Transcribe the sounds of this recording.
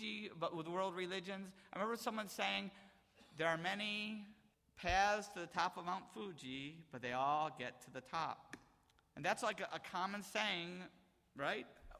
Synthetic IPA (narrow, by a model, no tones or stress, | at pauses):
ibʌʔ̚wəðwɜ˞lˠd̚ɹɨlɪd͡ʒɨ̃nzaɪɹɨmɛ̃mbə˞sʌ̃mwʌ̃nseɪɪ̃ŋ | ðə˞ːmɛni | pʰæz̥tʰɨðɨtʰɑpʌvmãʊ̃ntfud͡ʒib̥ʌt̪̚ðeɪɔlˠɡɛtʰɨðɨtʰɑ̰p̚ | ɨ̃nðætslaɪkɨʔəkʰɑmɨ̃nseɪɪ̃ŋ | ɹaɪt̚